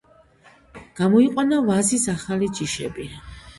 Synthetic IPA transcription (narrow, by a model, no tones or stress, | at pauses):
ɡ̥amɔiqʼwanavazisaχalid͡ʒiʃɛ̰bi